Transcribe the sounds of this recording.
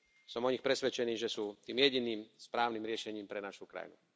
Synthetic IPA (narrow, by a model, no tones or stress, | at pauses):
sɔmɔɲixpɾɛsʋɛt͡ʃɛniːʒɛsuːt̪iːmjɛɟiniːmspɾaːʊniːmɾɪɛʃɛɲiːmpɾɛnaʃukɾa̰jnṵ